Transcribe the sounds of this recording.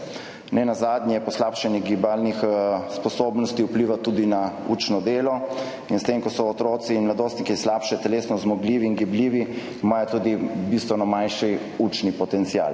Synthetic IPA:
nɛnazaːd̪nʲjɛpɔslaːpʃɛnɛɡibalnixspɔsoːbnɔst̪iupliːʋat̪ud̪inauːt͡ʃnɔd̪eːlɔ | inst̪emkɔsɔːt̪ɾoːt̪siːnmlad̪oːst̪nikislapʃɛt̪ɛleːsnɔzmɔɡliːʋiːnɡibliːʋi | maːjɔt̪uːd̪ibist̪ʋɔnamanʃi | ut͡ʃnipɔt̪ɛnt̪sija̰ːl

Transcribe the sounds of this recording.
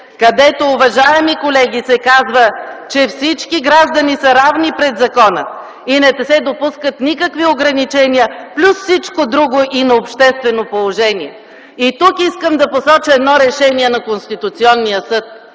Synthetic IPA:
kɐd̪ɛt̪oʊvɐʒaɛmikolɛɡʲisɛkazvət͡ʃɛfsit͡ʃkiɡɾaʒd̪ɐnisəɾavnipɾɛd̪zɐkɔnə̰ | inɛt̪ɛsɛd̪opuskət̪nikəkvioɡɾɐnit͡ʃɛniəplʲusfsit͡ʃkod̪ɾuɡoʔinɐopʃt̪ɛst̪vɛnopolˠoʒɛniɛ | it̪ukiskəmd̪ɐposɔt͡ʃəɛd̪nɔɾɛʃɛniɛnɐkonst̪it̪ʊt̪siɔnːijəsɤt̪̚

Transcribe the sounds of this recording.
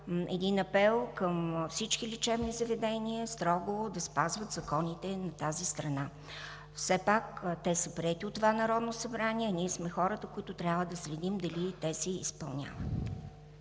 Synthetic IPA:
ɛ̰d̪inɐpɛlˠkəmfsit͡ʃkilit͡ʃɛvnizɐvɛd̪ɛniəst̪ɾɔɡod̪ɐspazvət̪zɐkɔnit̪ɛnɐt̪azist̪ɾɐna | fsɛpakt̪ɛsəpɾiɛt̪iot̪ːovanɐɾɔd̪nosɐbɾanʲiɛniɛsmɛxɔɾət̪əkoit̪ʊt̪ɾʲavəd̪ɐslɛd̪imd̪ɐlit̪ɛsɛḭspɐ̰lˠnʲa̰və̰t̪̚

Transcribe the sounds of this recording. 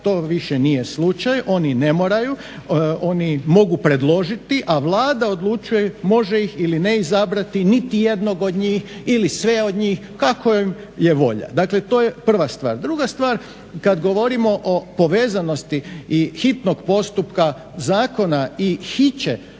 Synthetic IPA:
t̪o̞ːʋiʃenije̞slˠut͡ʃajʔo̞ːnine̞moːɾaju | o̞nimo̞ɡupɾe̞d̪lo̞ʒit̪iʔaʋlˠaːd̪ao̞d̪lˠut͡ʃujemo̞ʒe̞ixilineizabɾat̪init̪ijed̪no̞ɡo̞d̪ɲiːxilisʋe̞o̞d̪ɲiːx | kakoim | je̞ʋo̞̰ʎa̰d̪akle̞t̪o̞ːjepr̩ʋast̪ʋa̰ːɾd̪ɾuɡast̪ʋaːɾ | kad̪ɡo̞ʋo̞ɾimo̞ʔopo̞ʋe̞ːzano̞st̪iixit̪no̞ɡpo̞st̪upka | zaːko̞naixit͡ɕe

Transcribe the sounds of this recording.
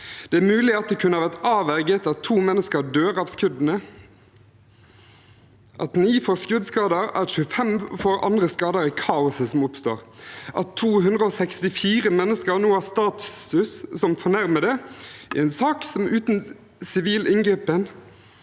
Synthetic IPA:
d̪̥ɛæːmʉːlɪɑt̪̚d̪ɛkʰʉnəɑʋæʁt̪ɑːʋæʁɡət̪ɑt̪ʰːuːmɛnːəskəd̪øːʁɑʋskʉd̪nə | ʔɑt̪niːfɔskʉd̪skɑːd̪əɾæ̰ʃʉːəfɛmfɔɾɑ̰nd̪ʁəskɑːd̪əɾəkʰɑːʊsəsɔmʊpst̪o̰ːʁʔɑ̰t̪ʰːuːɦʉnd̪ʁəoːsɛkst̪ɪfiːʁəmɛnːəskəɾnoːæst̪ɑːt̪sʉssɔmfɔɳæʁməd̪ɛɛnsɑːksɔmʉːt̪n | sɪʋiːlɪŋɡɛpən

